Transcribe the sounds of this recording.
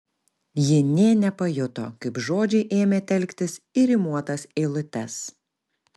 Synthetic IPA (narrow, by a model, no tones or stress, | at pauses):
jɪnʲeːnʲɛpɐjʊt̪o̰ːkɐɪpʒoːd͡ʒʲɛɪʔeːmʲeːt̪ʲɛlʲkʲt̪ʲɪsɪɾʲɪmuɔt̪ɐseːlˠʊt̪ʲɛs